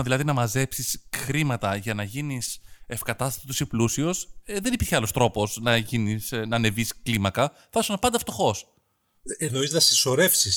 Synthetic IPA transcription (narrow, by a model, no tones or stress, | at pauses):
ðilɐðinɐmɐze̞psisxɾimɐt̪ɐʝɐnɐʝinise̞fkɐt̪ɐst̪ɐsit̪osiplusio̞sðe̞nipiɾçeɐlo̞st̪ɾo̞po̞snɐʝinisnɐne̞visklimɐkɐ | fɐsunɐpɐnd̪ɐft̪o̞xo̞s | enoiznɐsĩso̞ɾe̞fsis